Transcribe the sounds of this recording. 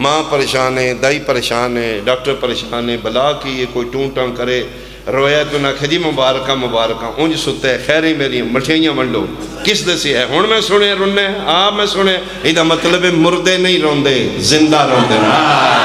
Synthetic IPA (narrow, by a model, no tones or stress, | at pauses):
mãːpəɾeːʃaːnẽːd̪aːiːpəɾeːʃaːnẽːɖaːk̚ʈəɾpəɾeːʃaːnẽːbəlaːkiekoːiːʈũːʈãːkəɾeː | ɾoːjaːt̪onaːkʰeːd͡ʒiːmʊbaːɾkãːmʊbaːɾkãːʔʊ̃ːd͡ʒsʊt̪ːeːxʰɛːɾẽːmeːɾĩjãːməʈʰãːɪjãːməɳɖõ̰ː | kɪsd̪əseɛːɦʊɳmɛ̃ːsʊɽãːɾʊnːẽːaːpmɛ̃ːsʊɳ̃eã | ɪd̪aːmət̪ləbeːmʊɾd̪eːnəĩːɾɔ̃ːnd̪eːzɪnd̪aːɾɔ̃ːnd̪eːnaː